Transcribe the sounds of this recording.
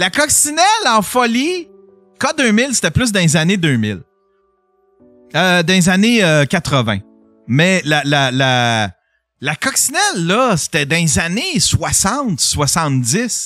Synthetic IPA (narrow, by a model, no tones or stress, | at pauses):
lakʌksinɛlɑ̃fɔli | kʌd̪øːmɪlse̥t̪ɛplʏs̬d̪ɛ̃zaned̪øːmɪ̰l | ød̪ɛ̃zaneøkʲat̪ʁəvɛ̰̃ | mɛlalala | lakɔksinɛlːʌse̥t̪ɛd̪ɛ̃zaneswasɑ̃t̪swasɑ̃t̪̚d͡zzɪs